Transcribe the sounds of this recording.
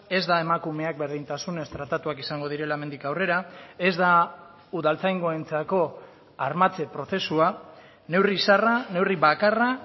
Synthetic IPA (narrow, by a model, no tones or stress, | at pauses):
e̞zd̪ae̞makume̞ak̚be̞ɾðint̪asune̞st̪ɾat̪at̪uakisaŋɡo̞ð̞iɾe̞laeme̞nd̪ikawre̞ɾae̞zd̪a | uðalt͡sajŋɡo̞ent͡sako̞ | aɾmat͡se̞pɾo̞θe̞sua | ne̞wrisarane̞wriβakara